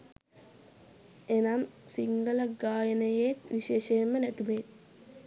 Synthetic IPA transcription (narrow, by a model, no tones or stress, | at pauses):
enamsiŋɡələɡaːjənəjet̪ʋiʃeːʃejmːənæʈumet̪